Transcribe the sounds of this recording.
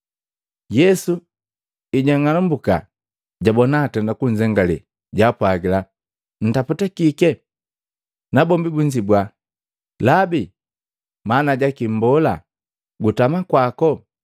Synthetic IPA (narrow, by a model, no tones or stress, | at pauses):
jɛsu | iɟaŋalumbuka̰ | ɟabɔnaːtɛndakuɲd͡ʒɛŋɡalḭ | ɟapwaɡila | n̩taputakikɛ | nabɔmbibuɲd͡ʒibwa | labi | manaɟakimbɔla | ɡutamakwakɔ